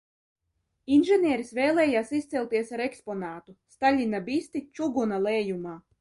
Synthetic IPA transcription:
inʒɛnʲiɛɾisvɛːlˠɛːjaːsist̪sɛlˠʲt̪iɛsaɾɛkspɔnaːt̪ust̪alʲinabist̪it͡ʃuɡunalˠɛːjumaː

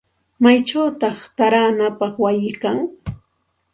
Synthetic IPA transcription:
majt͡ʃawt̪ɑχt̪aɾaːnapɑχwajɪkaŋ

